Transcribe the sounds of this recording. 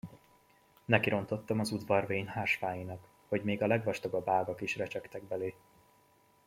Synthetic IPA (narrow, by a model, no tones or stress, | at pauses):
nɛkiɾo̞nt̪o̞t̪ːɒmɒzud̪vɒrveːɲhaːʃʋaːjinɒk | ho̞ɟmeːɡɒlɛɡvɒʃt̪o̞ɡɒbaːɡɒkiʃrɛt͡ʃɛkt̪ɛɡ̚bɛleː